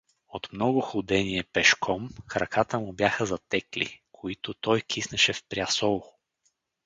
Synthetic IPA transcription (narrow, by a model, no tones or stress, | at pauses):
ot̪mnɔɡʊxʊd̪ɛniɛpɛʃkʰɔmxɾɐkʰat̪əmʊbjaxəzɐt̪ɛklḭkʰoit̪ʊt̪ɔjkʰisnəʃɛfpɾʲjasɔlˠ